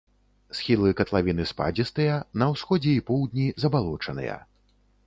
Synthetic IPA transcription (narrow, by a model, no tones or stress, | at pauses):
sxʲilˠɨkɐt̪lˠavʲinɨspa̰d͡zʲist̪ɨjɐnɐwsxɔd͡zʲɛipɔwd̪ʲnʲizɐbalˠɔt͡ʂɐnɨ̰jɐ̰